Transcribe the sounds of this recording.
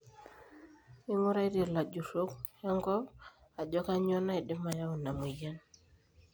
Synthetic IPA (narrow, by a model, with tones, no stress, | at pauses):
i˦mu˦ɾa˦i˦ɾe˨la˨d͡ʒu˨so˦kja˦ŋɡɔ˦a˨d͡ʒɔ˦ka˦ɲɔ˦na˦i˨dɪ˦ma˨ja˦u˨na˨m˨i˨ja˦n